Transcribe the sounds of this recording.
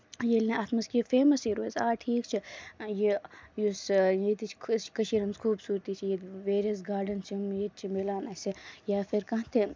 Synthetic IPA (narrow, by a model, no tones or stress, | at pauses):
jelneʔat̪mɐskifeːmɐsiɾezaːʈʰiːkt͡ʃʰijejusjet̪it͡ʃʰkt͡ʃkɐʃiɾɐnzkʰuːbsuːɾt̪it͡ʃʰijeʋeːɾiɐs̬ɡaːɾɖɐnt͡ʃimjet͡ʃʰimelaːnɐsejaːfiɾkɐ̃t̪ʰe